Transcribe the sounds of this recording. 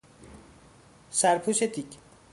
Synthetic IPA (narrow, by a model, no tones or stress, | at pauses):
saɾpʰuset̪ik